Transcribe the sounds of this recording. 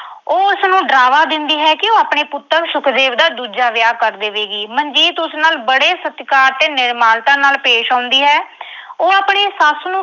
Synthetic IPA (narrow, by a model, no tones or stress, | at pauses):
oːʊsnũːɖɾaːʋaːd̪ɪnd̪iːɦɛːkɪoːaːpɳeːpʊt̪ːəɾʃʊkʰd̪eːʋd̪aːd̪uːd͡ʒaːʋɪjaːkəɾd̪eːʋeːɡiːməɲd͡ʒiːt̪ʊsnaːlbəɽeːsət̪kaːɾt̪eːnɪɾmaːlt̪ãːnaːlpeːʃãːnd̪iːɦɛː | oːaːpɳeːsasnũː